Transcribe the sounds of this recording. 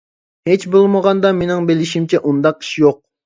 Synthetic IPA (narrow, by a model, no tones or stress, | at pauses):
het͡ʃbolˠməʁɑnd̪ɑmenɪŋbelɪʃimt͡ʃʰɛʔund̪ɑq̚ʰi̥ʃijoq̚